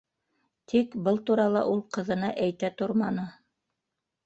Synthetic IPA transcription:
t̪ʰikbɤlˠt̪uɾɑlˠɑ̰ʔulˠqɤ̆ðɤ̆nɑʔæjt̪æt̪oɾmɑnɤ

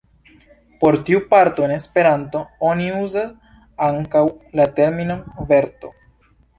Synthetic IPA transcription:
po̞ɾtiupaɾto̞ene̞spe̞ɾanto̞o̞niuzas | aŋkawlate̞ɾminove̞ɾto̞̰

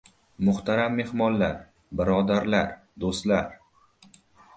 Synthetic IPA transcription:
mʊht̪ʰaɾamːe̞hmɒnlaɾ | bɪɾɒd̪aɾlaɾ | d̪ost̪laɾ

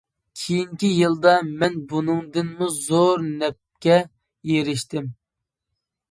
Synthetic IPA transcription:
kʲʰejiŋkʲijɨlˠd̪ɑmɛnbunɨŋd̪ɨnmuzoɾnɛp̚kʲɛ | jeɾɪʃt̪ɪm

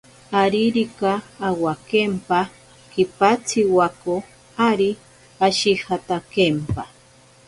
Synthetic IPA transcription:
aɾiɾikaːwakempa | kipat͡sʰiwako | aɾi | aʃihat̪akempa

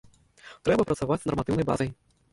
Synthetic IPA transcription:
t̪ɾɛbɐpɾɐt̪savat͡sʲsnɐrmat̪ɨwnɐjba̰zɐj

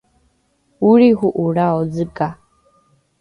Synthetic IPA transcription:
uɺiɦuʔuɺaɔd͡zɨkʼa

